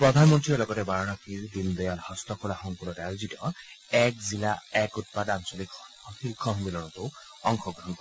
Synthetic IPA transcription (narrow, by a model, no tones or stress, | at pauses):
pɹɔd̪ʱanmɔntɹiɔɹlɔɡɔtɛbaɹɔnɔkʰiɹd̪ind̪ɔjalhɔstɔkʰɔlaxɔŋpunɔtaɹuzitɔ | ɛkzilaɛkut̚padansɔlikʰɔ | ɔxilkʰɔɦmbilɔnɔtʊ | ɔŋxʰɔɡɔnkɔ